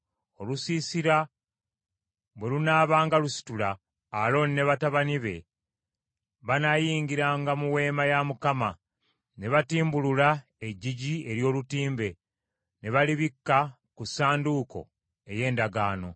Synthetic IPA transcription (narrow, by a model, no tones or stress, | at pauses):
o̞lusiːsiɾa | βwe̞lunaːβaːŋɡalusi̥tulaː | lo̞nnːe̞βataβaniβe̞̰ | βanajiːŋɡiɾaːŋɡamuwe̞ːmajamukama | ne̞βatiːmbulula | e̞ɟiɟie̞ɾjo̞ːlutiːmbe̞ | ne̞βaliβikːa | kusaːnduko̞̰ | e̞je̞ːndaɡaːno̞̰